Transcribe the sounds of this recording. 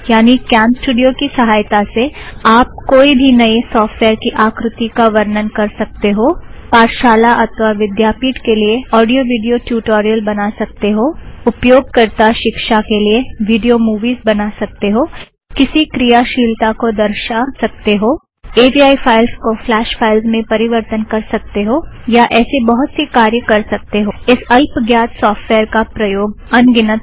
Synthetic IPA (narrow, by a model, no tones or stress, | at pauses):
jaːnikɛ̃ːnsʈuːɖijokisɐɦaːjt̪aseaːp̚koːibʱinɐisɔːfʈʋeːɾkiʔaːkɾʊt̪ikaʋɐɾnənkɐɾsɐk̚t̪eɦoːpaːɾʃaːlaʔɐt̪ʰʋaʋɪd̪jaːpiːʈkelieɔːɖijoʋiːɖijoʈjuːʈoːɾijəlbɐnasɐk̚t̪eɦoːʊpjoːɡ̚kɐɾt̪aʃɪkʃakelieʋiːɖijomuːʋiːzbɐnasɐk̚t̪eɦoː | kɪsikɾijaʃiːlt̪akod̪ɐɾʃasɐk̚t̪eɦoː | eːbiːaːifʰaːɪlzkoflɛːʃpʰaːɪlzmẽpɐɾɪʋəɾt̪ənkɐɾsɐk̚t̪eɦoːjaʔɛːsebɐɦʊt̪sikaːɾjəkɐɾsɐk̚t̪eɦoɪsɐlpɡjaːt̪sɔːfʈʋɛːəɾkapɾɐjoːɡ̚ɐnɡɪnət̪̚